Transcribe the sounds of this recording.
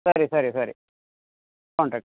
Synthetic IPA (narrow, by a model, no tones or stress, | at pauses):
sɐɾisɐɾisɐɾi | kɔːɳʈɾɐːk̚ʈ